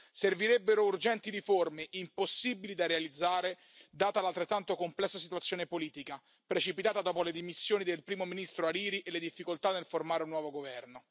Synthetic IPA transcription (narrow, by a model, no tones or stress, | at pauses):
serviɾebːeɾourd͡ʒɛnt̪iɾiformeʔimposːibilid̪arealid̪zːaːɾe | d̪aːt̪alalt̪ɾet̪ːant̪okomplɛsːasit̪wat̪sjoːnepoliːt̪ika | pɾet͡ʃipit̪aːt̪ad̪ɔːpoled̪imisːjoːnid̪elpɾiːmominist̪ɾoaɾiːɾiʔeled̪ifːikolt̪anːelformaːɾeunːwɔːvoɡovɛrno